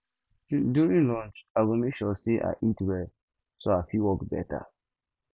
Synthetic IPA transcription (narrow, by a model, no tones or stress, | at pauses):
djuɹĩnlɔ̃nt͡ʃaɡomekʃɔseʔa̰ʔitwɛl | soafiwɔkbɛ̰ta̰